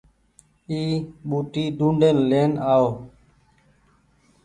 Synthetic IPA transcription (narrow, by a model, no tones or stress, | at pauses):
iːɓuːʈiːɖ̪ũːɳɖʱeːnleːnaːoː